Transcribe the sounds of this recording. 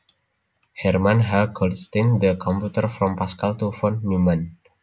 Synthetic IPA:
hɛrmãnɦakʰɔlst̪ĩnd̪əkʰɔmpjut̪ərfɾɔmpaskalt̪ufɔnmumãn

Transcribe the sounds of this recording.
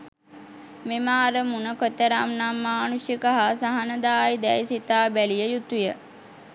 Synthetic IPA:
memaːɾəmunəkot̪ːəɾamnamːaːnusjəkəɦasaɦanəd̪aːjd̪ɛjsit̪aːbælijəjut̪ujə

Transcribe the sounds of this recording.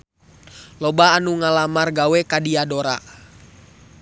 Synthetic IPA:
lɔbaːnuŋalamarɡawɛkadiadoɾa̰

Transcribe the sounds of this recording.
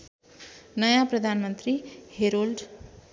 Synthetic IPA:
nʌjãprʌd̪ʱanmʌnt̪riheɾolɖ

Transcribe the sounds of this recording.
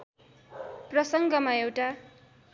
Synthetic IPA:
prʌsʌŋɡʌmaewʈa

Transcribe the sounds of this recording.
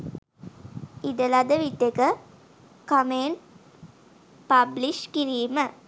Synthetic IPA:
id̪əlad̪əʋit̪ːekə | kameːn | pabliʃkiɾiːmə

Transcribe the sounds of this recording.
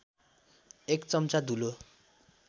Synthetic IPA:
ekt͡sʌmt͡sad̪ʱulo

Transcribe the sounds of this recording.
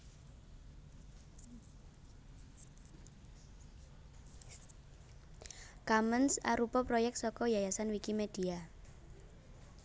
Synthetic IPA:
kamənsa̰ɾupɔpɾɔjɛk̚t̪sɔkɔjajasanwikimed̥ia

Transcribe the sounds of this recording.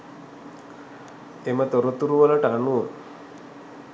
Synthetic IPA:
emət̪oɾot̪ːuɾuʋalaʈanu

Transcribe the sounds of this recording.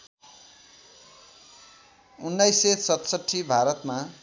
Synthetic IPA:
unːʌjsesʌt̪sʌʈʰːibʱaɾʌt̪ma

